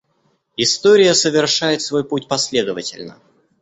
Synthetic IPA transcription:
ɪst̪oɾʲɪjəsəvʲɪrʂajɪt̪svo̞jput̚ʲpɐsʲlʲe̞d̪əvətʲɪ̰lʲnə̰

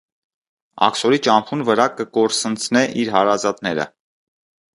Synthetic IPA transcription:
ɑ̰ksɔɾit͡ʃɑmpʰunvəɾɑkəkɔɾsənt͡sʰnɛʔiɾɦɑɾɑzɑt̪nɛɾə̰

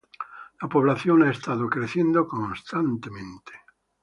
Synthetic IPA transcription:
lapoβlaθjonaest̪aðokɾeθjend̪okoŋst̪ant̪emẽnt̪e̥

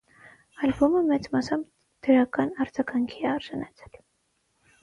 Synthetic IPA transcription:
ɑlbɔməmɛt͡smɑsɑm | d̪̥əɾɑkɑnɑɾd͡zɑɡɑŋkʰiɛɑɾʒɑnɑt͡sʰɛ̥l

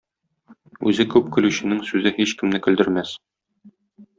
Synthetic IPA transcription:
ʉ̰zɘkʉp̚kɵ̆lʉɕɘ̆nɘŋsʉzɘhiɕkɘ̆mnɘkɵ̆ld̪ɘ̆ɾmæs

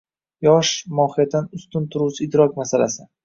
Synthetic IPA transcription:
jɒʃmɒhɪjat̪ʰːanʊst̪ʊnt̪ʰʊɾuwsʰɪɪd̪ɾɒk̚ʲmasala̰sɪ

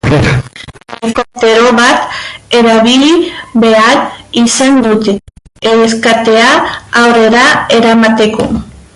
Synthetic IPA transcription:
ekot̪e̞ɾo̞βat̪e̞ɾaβiliβe̞aɾisand̪ut̪eeskat̪e̞aːwre̞ɾae̞ɾamat̪e̞ko̞̰

